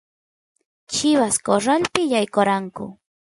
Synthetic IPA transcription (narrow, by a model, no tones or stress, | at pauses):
t͡ʃɪβaskoɾalpɪjajkoɾaŋkʊ̰